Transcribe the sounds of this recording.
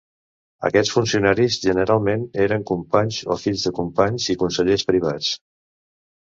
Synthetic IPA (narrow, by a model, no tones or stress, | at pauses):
ə̰kɛt͡sfunsiunaɾizʒənəɾalˠmeneɾəŋkumpaɲzo̰fiʎzðəkumpaɲzikunsəʎespɾiβ̞at͡s